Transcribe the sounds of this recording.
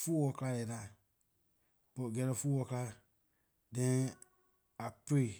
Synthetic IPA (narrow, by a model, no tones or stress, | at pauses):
fuːwɔklalɛnã | bɔɡɛɾɛfuwɔkla | dɛ̃ | apee